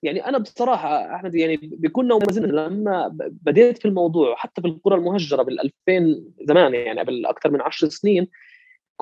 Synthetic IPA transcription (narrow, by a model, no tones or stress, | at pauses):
jaʕniʔanabɨsˤɑɾˤɑːħɑʔa̰ħmad̪jaʕnibjakuːnːawmazɪnːnlamːabad̪eːt̪filmɑwd̪ˤuːʕwħat̪ːafilqʊɾˤɑlmʊhaʒːɑɾˤɑbɪlʔa̰lfeːnzamaːnjaʕniʔablʔa̰kt̪ɑɾˤmɪnʕaʃɾˤsɪniːn | k